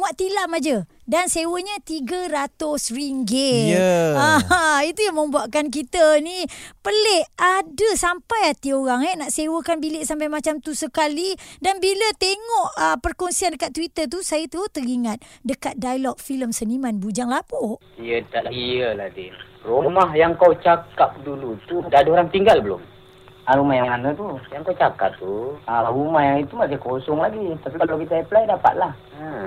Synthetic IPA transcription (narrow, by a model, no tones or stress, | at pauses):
muaʔt̪ilamad͡ʒə | dansewəɲat̪iɡəɾat̪ʊsriŋɡɪəait̪ujaŋmə̃mbuaʔkank̬it̪ənipəlɛadəsampajat̪ioɾaŋɛnaʔsewəkanbilɪʔsampajmat͡ʃamt̪usəkalidanbilət̪eŋɔʔəpərkɔŋsiandəkat̪̚ːwit̪ərt̪usajət̪əot̪əɾiŋat̪̚dəkat̪̚dajlɔk̚filəmsənimanbud͡ʒaŋlapɔʔ | ijət̪aʔ̪lahijəladi | rumaɦjaŋkawt͡ʃakap̚dulut̪udadəoɾaŋt̪iŋɡalbəlʊ̰m | aɾumahjaŋanət̪ujaŋkawt͡ʃaka̰p̚t̪uaɾumahjaŋit̪umas̬ikosɔŋlaɡit̪apikalawkit̪apəlajdapa̰t̪̚lah | ə